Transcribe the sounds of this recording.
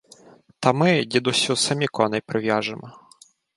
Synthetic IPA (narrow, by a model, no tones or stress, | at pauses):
t̪ɐmɪdʲid̪ʊsʲʊsɐmʲikɔnɛjpɾɪʋjaʒɪmɔ